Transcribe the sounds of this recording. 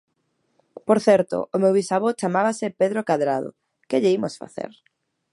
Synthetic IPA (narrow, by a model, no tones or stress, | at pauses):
poɾθɛɾt̪o̰ʔomewβisaβot͡ʃamaβasepeðɾokaðɾaðo̰ | keʎeimosfa̰θḛɾ